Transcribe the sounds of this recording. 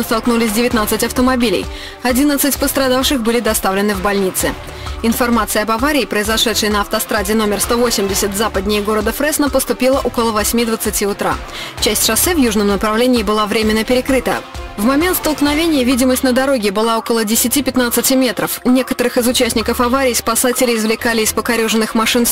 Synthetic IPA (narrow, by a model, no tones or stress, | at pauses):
st̪ɐlˠknulʲɪsʲdʲɪvʲɪt̪nat̪sɨtʲɐft̪əmɐbʲilʲɪ̰j | ɐdʲinət̪sɨtʲpəst̪ɾɐd̪afʂɨxbɨlʲɪd̪ɐst̪avlʲɪnɨvbɐlʲnʲit̪sɨ | ɪnfɐrmat̪sɨəɐbɐvaɾʲɪːpɾəɪzɐʂɛt̪ʂɨjənəɐft̪ɐst̪ɾadʲɪno̞mʲɪrst̪o̞vo̞sʲɪmdʲɪsʲət̪zapəd̪ʲnʲɪjəɡo̞ɾəd̪əfɾɛsnəpəst̪ʊpʲilˠəʔokəlˠəvɐsʲmʲid̪vət̪sɨtʲiʊt̪ɾa̰ | t͡ɕæsʲtʲʂɐsɛvjuʐnəmnəpɾɐvlʲenʲɪːbɨlˠavɾʲemʲɪnːəpʲɪɾʲɪkɾɨt̪ə̰vmɐmʲe̞nt̪st̪əlˠknɐvʲenʲɪjəvʲidʲɪməsʲtʲnəd̪ɐɾoɡʲɪbɨlˠao̞kəlˠədʲɪsʲɪtʲipʲɪt̪nat̪sɨtʲɪmʲe̞t̪ɾəfnʲe̞kət̪əɾɨxɨzʊt͡ɕæsʲnʲɪkəfɐvaɾʲɪjspɐsatʲɪlʲɪɪzvlʲɪkalʲɪːspəkɐɾʲuʐɨnːɨxmɐʂɨn